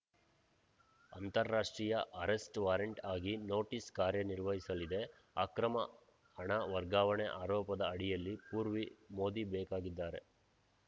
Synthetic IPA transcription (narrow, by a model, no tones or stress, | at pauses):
ɐ̰nt̪ɐɾːaːʂʈɾiːjɐʔɐɾesʈʋaːɾɐɳʈaːɡino̞ːʈiːskaːɾjɐniɾʋɐɦisɐlid̪e | aːkɾɐmɐ̰ | hɐɳɐʋɐɾɡaːʋɐɳeʔaːɾɔːpɐd̪ɐɐɽijɐlːipuːɾʋimoːd̪ibɛːkaːɡid̪ːaːɾe